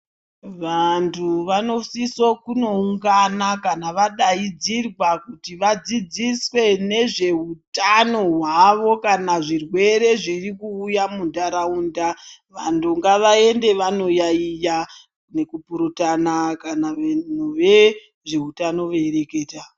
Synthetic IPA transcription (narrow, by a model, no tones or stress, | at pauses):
ʋantʰuʋano̞sisokuno̞uŋɡanakanaʋaɗaid͡zirwakutiʋad͡zid͡ziswe̞ne̞ʐe̞utano̞ɦwaʋo̞kanaʐirwe̞ɾe̞ʐirikuːjamundaɾauːndaʋantʰuŋɡaʋae̞nde̞ʋano̞jaija | ne̞kupuɾutanakanaenuʋe | ʐe̞utano̞ʋeeɾe̞ke̞ːta